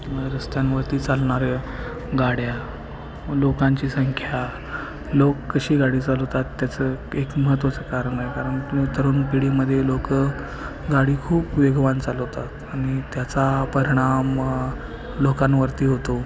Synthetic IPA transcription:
ɾəst̪janʋəɾt̪iːt͡salɳaɾe | ɡaɽja | lokãɲt͡ɕiːsəŋkʰja | lokːəɕiːɡaɽiːt͡salt̪at̪ːjat͡səːekməɦət̪̬ʋat͡səkaɾəɳaɦekaɾəɳmit̪əɾuːnpiɽiməd̪ʱːjelokə | ɡaɽiːkʰuːpʋeɡʋant͡salɦot̪at̪aɽ̃it̪jat͡sapəɾiɽ̃am | lokãnʋəɾt̪iːɦot̪o

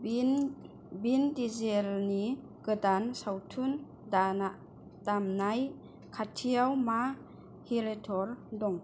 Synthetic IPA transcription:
bindizelni | kɯdansawtʰun | danaʔ | tamnaj | kʰatʰiawma | hiɾetʰɔɾdɔŋ

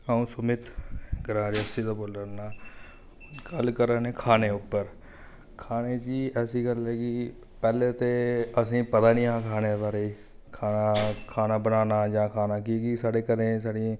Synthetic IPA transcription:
aːũːsʊmɪt̪ɡɾãːɾɪəsiːd̪aːboːlənaː | ɡəlkəɾə̃ːneːkʰaːneːʊpːəɾ | kʰaːneːt͡ʃiːɛːsiːɡəlɛːkɪ | pɛːleːt̪eːəs̬ĩːpət̪aːnĩːãːkʰaːneːbaːɾeiː | kʰaːnaːkʰaːnaːbənaːnaːd͡ʒãːkʰaːnaːkiɡisaːɽeːkəɾẽːsaːɽĩ

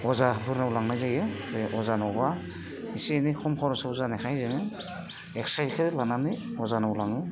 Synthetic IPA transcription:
ɔzabɯɾnaulaŋnajzajɯɯʔɔzanɔba | isinikʰɔmkʰɔɾɔsauzanexʰajzɯŋɯ | ek̚sajxʰɯlananɯɔzanaulaŋɯ

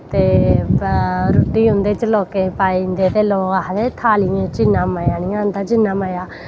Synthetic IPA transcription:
t̪eː | ɾʊʈːiːɦʊ̃nd̪eːt͡ʃəloːkeːpaːind̪eːt̪eːloːɡaɦd̪eːt̪ʰaːlɪẽːt͡ʃɪnːãːmaːjaːniãːnd̪aːd͡ʒɪnːãːmaːjaː

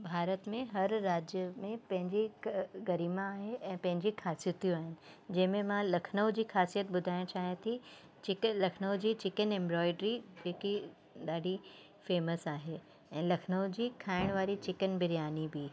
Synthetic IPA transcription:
bʱaːɾət̪mẽɦɐɾːaːd͡ʑjəmẽpɐ̃ɦɪ̃ɲd͡ʑiɡɐɾiːmãːɦeʔɛ̃ːpɐ̃ɦɪ̃ɲd͡ʑixaːsijət̪jũaːɦɪnɪ̆ | d͡ʑɐɦɪ̃mẽmãlɐkʰnəʊd͡ʑiːxaːsijət̪ɓʊd̪ʱaːɪ̃t͡ɕʰaːɦiẽt̪ʰi | t͡ɕɪklɐkʰnəʊd͡ʑiːt͡ɕɪkənẽmbɾɔːɪɖɾid͡ʑeːki | ɗaːɖʱi | feːməsaːɦe | ɛ̃ːlɐkʰnəʊd͡ʑiːkʰaːɪɽ̃ʋaːɾit͡ɕɪkənbɪɾijaːnibiː

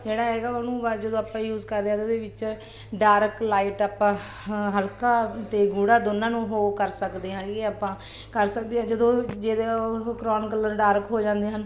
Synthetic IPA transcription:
d͡ʒeːɽaːɦɛːɡaːənũːad͡ʒəd̪õːaːpãːjuːzkəɾd̪eãːt̪ed̪eːʋɪt͡ʃ | ɖaːɾklaːiʈaːpãː | ɦəlkaːt̪eːɡuːɽaːd̪onːãːnũːɦoːkəɾsəkd̪eːɦãːɡeːaːpãː | kəɾsəkd̪eːãːd͡ʒəd̪õːd͡ʒeːd̪ekɾɔːnkəlːəɾɖaːɾkɦoːd͡ʒãːnd̪eːɦən

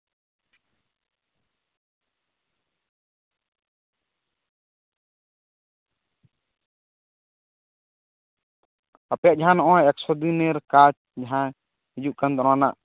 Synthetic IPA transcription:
əpjaʔd͡ʒaɦãnɔʔɔ̃ɛksʰɔd̪ineɾkat͡ʃ | d͡ʒaɦã | ɦid͡ʒuʔkand̪ɔɾanaʔ

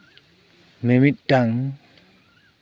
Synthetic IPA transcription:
memit̪̚daŋ

